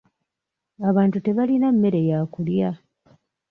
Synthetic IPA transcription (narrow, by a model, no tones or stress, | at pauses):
aβaːntute̞βalinamːe̞ɾe̞jaːkulja